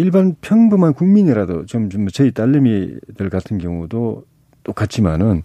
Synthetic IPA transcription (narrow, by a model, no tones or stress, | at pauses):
iɭbanpʰjʌŋbumankuŋmiɲiɾadot͡ɕomt͡ɕomːʌt͡ɕʌit͈aʎːemidɯɭkatʰɯnkjʌŋudo | t͈ok͈at͡ɕ͈ʰima̰nɯn